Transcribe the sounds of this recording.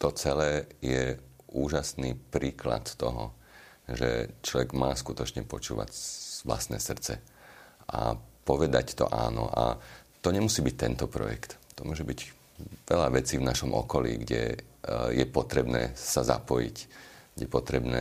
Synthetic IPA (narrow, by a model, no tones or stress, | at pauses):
t̪ɔt͡sɛlɛːjɛ | uːʒasniːpɾiːkla̰t̪t̪ɔɦɔ | ʒɛt͡ʃlɔʋɛɡmaːskut̪ɔt͡ʃɲɛpɔt͡ʃuːʋa̰cʋla̰st̪nɛːsr̩t͡sɛ | ʔa̰pɔʋɛd̪act̪ɔ̰ʔaːnɔʔat̪ɔɲɛmusiːbic̚t̪ɛnt̪ɔpɾɔ̰jɛ̰kt̪t̪ɔmʊɔʒɛbiɟ | ʋɛʎaʋɛt͡siːvnaʃɔmʔɔ̰kɔlḭːɡɟɛ | jɛpɔt̪ɾɛbnɛːsaza̰pɔjḭcɡɟɛpɔt̪ɾɛbnɛː